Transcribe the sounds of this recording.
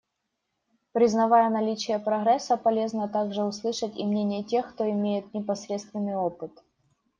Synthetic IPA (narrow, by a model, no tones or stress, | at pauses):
pɾʲɪznɐvajənɐlʲit͡ɕɪjəpɾɐɣɾɛsɐpɐlʲe̞znət̪aɡʐɨʊslˠɨʂətʲḭmnʲenʲɪjətʲe̞xkt̪oɪmʲejɪt̪̚nʲɪpɐsɾʲet̪st̪vʲɪnːɨjopɨt̪